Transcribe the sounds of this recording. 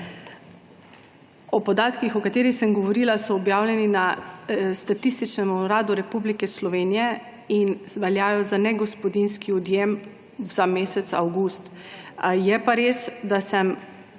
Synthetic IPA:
ɔpɔd̪aːt̪kixɔkat̪eːɾixsəmɡɔʋɔɾiːlasɔːbjaːwlʲjɛninast̪at̪ist̪it͡ʃnɛmɔɾaːd̪uɾɛpublikɛslɔʋeːnijɛ | inʋɛljaːjɔzanɛɡɔspɔd̪inskiɔd̪jem | z̥ameːsɛt̪sa̰wɡust̪ | jɛpaɾeːsd̪asɛm

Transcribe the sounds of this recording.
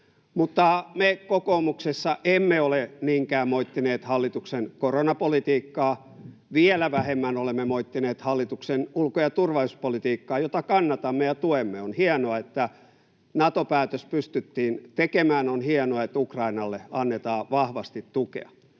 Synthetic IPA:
mut̪ːɑmekokoːmuksesːɑʔemːeoleniːŋkæːmmoit̪ːineːt̪hɑlːit̪uksenkoronɑpolit̪iːkːɑː | ʋielæʋæhemːænolemːemoit̪ːineːt̪hɑlːit̪uksenulkojɑt̪urʋɑuspolit̪iːkːɑːjot̪ɑkɑnːɑt̪ɑmːejɑt̪uemːeonhiɑnoɑet̪ːæ | nɑt̪opæːt̪øspyst̪yt̪ːiːnt̪ekemæːnonhiɑnoɑet̪ukrɑinɑlːeɑnːet̪ɑːʋɑhʋɑst̪it̪tukḛɑ̥

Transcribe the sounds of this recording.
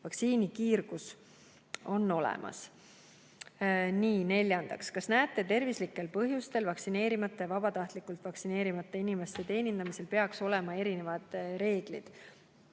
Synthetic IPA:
vɑksiːnikiːrɡ̥us | o̞nːo̞lḛmʔɑ̰s | niːne̞lʲːjɑnd̪ɑ̰kskɑsnæːt̪ːˑe̞t̪e̞rvislikːˑe̞lpɤɦjust̪e̞lvɑksine̞ːɾimɑt̪ˑːevɑb̥ɑt̪ɑht̪likːˑult̪vɑksine̞ːɾimɑt̪ˑːeinime̞st̪et̪e̞ːnind̪ɑmise̞lpe̞ɑkso̞lemɑe̞ɾine̞vɑd̪̥ɾe̞ːɡ̥lḭd̪̥

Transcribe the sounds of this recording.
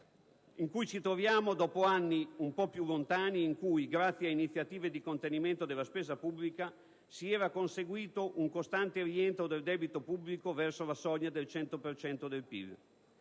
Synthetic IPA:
iŋkujt͡ʃit̪ɾovjaːmod̪ɔːpoanːiumpɔpjulːont̪aːniːŋkujɡɾat̪sːjainit̪sːjat̪iːved̪ikont̪eniment̪od̪elːaspeːzapubːlika | siɛːɾakonseɡwiːt̪oʔuŋkost̪ant̪eriɛnt̪ɾod̪eld̪ɛːbit̪opublikovɛrsolasɔɲːad̪elt͡ʃɛnt̪opert͡ʃɛnt̪od̪elpḭl

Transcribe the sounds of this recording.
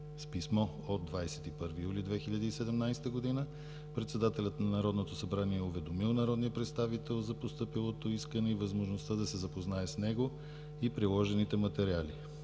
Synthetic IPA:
spismɔ | od̪d̪vajsɛ̥t̪ipɤɾvijulid̪vɛxiʎʲɐd̪iːsɛd̪ɛmnajst̪əɡod̪inə | pɾɛt̪sɛd̪at̪ɛlʲət̪nɐnɐɾɔd̪not̪osɐbɾaniɛʊvɛd̪omilˠnɐɾɔd̪nijəpɾɛt̪st̪avit̪ɛlˠzɐpost̪ɤpilˠot̪oiskənɛivəzmoʒnost̪ad̪ɐsɛzɐpoznaɛsnɛɡo | ipɾilˠɔʒɛnit̪ɛmɐt̪ɛɾiali

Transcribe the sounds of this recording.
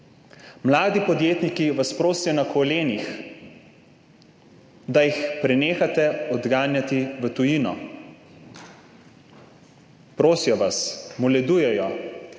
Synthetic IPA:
mlaːd̪ipɔd̪jeːt̪nikiʋaspɾoːsijɔnakɔleːnix | d̪ajixpɾɛneːxat̪ɛɔd̪ɡaːnjat̪iʋət̪ujiːnɔ | pɾoːsijɔʋasmɔlɛd̪uːjɛjɔ

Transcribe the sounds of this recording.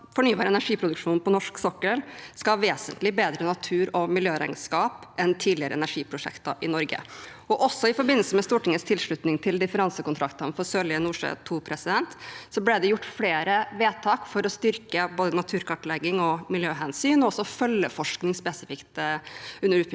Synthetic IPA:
fɔɳyːbɑːɾəɛnæʂiːpʰɾʊd̪ʉkʂuːnpʰɔnɔʂksɔkːəlskɑɑʋeːsənt̪lɪbeːd̪ɾənɑt̪ʰʉːɾɔmɪljøːɾæ̰ɪɡ̪skɑːpʔɛnt̪ʰiːd̪lɪəɾə̰ɛ̰næʂiːpʰɾʊʂɛ̰kt̪ə̰ʔɪnɔɾɡə̰ | ɔʔɔsːɔɪfɔɾbɪnːəlsəmɛst̪uːʈɪŋːəst̪ʰɪlʂɭʉt̪nɪŋt̪ʰɪld̪ɪfəɾɑnsəkʊnt̪ʰɾɑkt̪ənfɔɾsøːlɪənuːʂə̰t̪ʰuːpʰɾɛsɪd̪ɛnt̪sɔblɛd̪ɛjʊʈːfleːɾəʋeːt̪ʰɑːkfɔɾɔst̪ʏɾkəboːd̪ənɑt̪ʰʉːɾkʰɑʈːlɛɡːɪŋɔmɪljøːɦɛnsyːnɔɔsɔfœlːəfɔʂknɪŋspɛsɪfɪkt̪ʉnːəɾʉː

